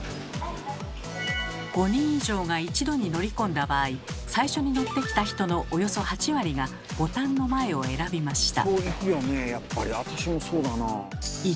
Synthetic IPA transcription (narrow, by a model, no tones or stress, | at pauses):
ɡ̥o̞ɲ̟ĩɰ̃iʑo̞ːɡait͡ɕid̪o̞ɲ̟ino̞ɾʲikõ̞nd̪abaːisaiɕo̞ɲ̟ino̞t̪ːe̞kʲi̥t̪açi̥t̪o̞no̞ʔojo̞so̞hat͡ɕiβaɾʲiɡa | b̥o̞t̪ãnːo̞mae̞o̞e̞ɾabʲimaɕi̥t̪a̰oːikijonejapːaɾʲiat̪aɕimo̞so̞ːd̪ana